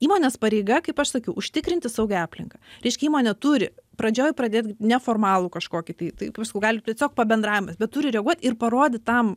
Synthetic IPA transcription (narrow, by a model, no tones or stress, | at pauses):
iːmoːnʲeːspɐɾʲɛɪɡɐkɐɪpɐʃsɐkʲɛʊʔʊʃʲt̪ʲɪkɾʲɪnʲt̪ʲɪsɐʊɡʲɛɑːpʲlʲɪ̰ŋkɐɾʲɛɪʃʲkʲɛiːmoːnʲɛt̪uɾʲɪpɾɐd͡ʒʲoːjpɾɐd̪ʲeːt̪ʲɡnʲɛfoːrmɑːlˠuːkɐʃkoːkʲɪt̪ɐɪt̪ɐɪkɪpʃsɐkɐʊɡɑːlʲɪtʲiɛsʲoːk̚pɐbʲɛnd̪ɾɑːʋʲɪmɐsbʲɛt̪t̪ʊːɾʲɪɾʲɛɡuɔt̪ʲɪrpɐɾoːd̪ʲɪtt̪ɐm